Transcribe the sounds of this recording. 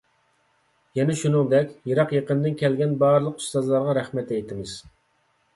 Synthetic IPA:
jɛnɛʃunɨŋd̪ɛkʲjeɾɑqjeqənd̪ɪnkʲɛlɡʲɛnbɑɾɨlˠəqy̥st̪ɑzlˠɑɾʁɑɾæχmɛt̪ɛjt̪ʰɪmɪz̥

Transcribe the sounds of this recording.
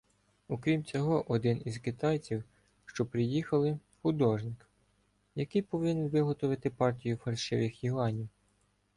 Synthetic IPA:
ukɾʲimt͡sʲɔɦɔʔɔd̪ɪnizkɪt̪ɑjt͡sʲiw | ʃt͡ʃɔpɾɪjixɐlˠɪ | xʊd̪ɔʒnɪk | jɐkɪjpɔʋɪnɪnʲʋɪɦɔt̪ɔʋɪt̪ɪpɑrtʲijʊfɐlʲʃɪʋɪxjiʋɑnʲiw

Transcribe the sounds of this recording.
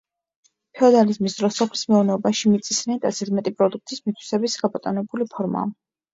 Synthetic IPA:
pʰɛɔd̪alizmisd̪ɾɔsɔpʰlismɛuvnɛɔbaʃimit̪sʼisnɛnt̪ʼasɛt̪ʰmɛt̪ʼipʼɾɔd̪uk̚ʰt̪ʰismit̪ʰwi̥sɛbisɡabʼɔt̪ʼɔnɛbulipʰɔɾma̰ː

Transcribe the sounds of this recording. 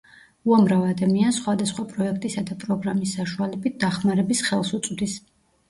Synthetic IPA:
uamɾavɛad̪amiansχwad̪asχwapʼɾɔɛk̚ʰt̪ʼisad̪apʼɾɔɡɾamisːaʃualɛbit̪̚d̪̥aχmaɾɛbisχɛlˠsut̪sʼd̪is

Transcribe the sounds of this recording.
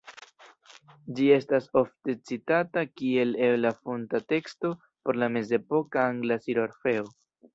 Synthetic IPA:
d͡ʒie̞staso̞fte̞t͡sitatakie̞le̞lafontate̞ksto̞ | po̞ɾlame̞ze̞po̞kaaŋɡlasiɾoɾfe̞o

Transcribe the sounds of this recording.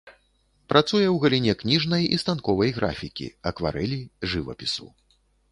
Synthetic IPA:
pɾʔat̪sujɛwɣɐlʲinʲɛknʲiʐnɐjḭst̪ankɔvɐjɣɾʔa̰fʲikʲḭɐkva̰ɾɛlʲiʐɨvɐ̰pʲisu

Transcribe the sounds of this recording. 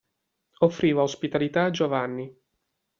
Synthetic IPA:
ofːɾiːvaospit̪alit̪aːd͡ʒovanːi

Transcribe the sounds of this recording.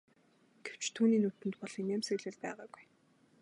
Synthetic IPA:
ɡ̥ew̥t͡ɕt̪ʰuːniːnut̪ɘ̆nt̪pɔɮiːnæmseɣɮɘ̆ːɮpæːʁaːɡuj

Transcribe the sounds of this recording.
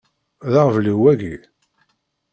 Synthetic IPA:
ðaʁvliwæɡi

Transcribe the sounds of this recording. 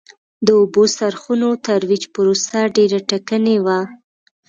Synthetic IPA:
d̪əobosaɾxunot̪aɾwid͡ʒpəɾosaɖeɾaʈakənewa

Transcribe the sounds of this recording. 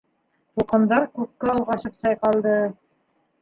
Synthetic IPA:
t̪uqɤ̆nd̪ɑɾkʉp̚kæɑlˠʁɑʃɤ̆psɑjqɑlˠd̪ɤ

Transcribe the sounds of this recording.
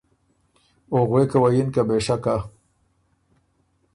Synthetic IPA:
oɣwekawajinkabeʂaka

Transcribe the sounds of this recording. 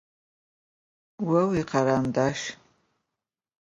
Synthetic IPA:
wawiqʰaɾandaʃ

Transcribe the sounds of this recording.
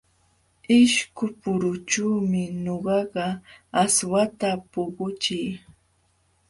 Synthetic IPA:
ɪʃkʊpʊɾʊt͡ʃuːmɪɲoɢɑɢɑaswat̪apʊɢʊt͡ʃɪj

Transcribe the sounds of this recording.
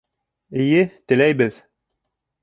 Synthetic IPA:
ɘ̆jɘt̪ɘ̆læjbɘð

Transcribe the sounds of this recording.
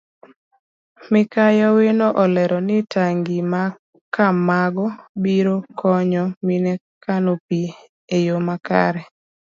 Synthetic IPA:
mɪkajɔwenoʔɔlɛɾɔnɪtaŋɡima | kamaɡɔbiɾokʰɔɲɔminɛ | kanopi | ejomaka̰ɾɛ

